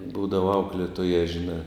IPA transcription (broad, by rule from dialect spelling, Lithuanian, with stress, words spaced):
ˈbuːdɐʋɐ ˈɐʊklʲeːtoːjɛ ʒʲɪˈnɑː